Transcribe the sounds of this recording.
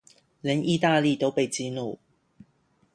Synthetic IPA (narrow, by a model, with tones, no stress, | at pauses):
lə˨˥nʔi˥˧t̪aː˥˧li˥˧˩t̪o˥ʊpe˥˩ɪt͡siː˥nu˥˩